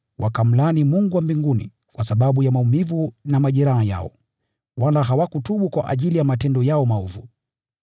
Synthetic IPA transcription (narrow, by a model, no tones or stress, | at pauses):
wʔakam̩lanimuŋɡuwambiŋɡunḭ | kwasaɓaɓujamaumivunamaʄɛɾahaja̰ɔ̰ | walaɦawakutuɓukwaʔa̰ʄilijamatɛndɔjaɔmaɔvu